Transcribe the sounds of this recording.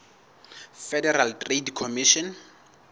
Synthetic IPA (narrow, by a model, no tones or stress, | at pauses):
fɛdɛraltʼredkʰɔmiʃɔn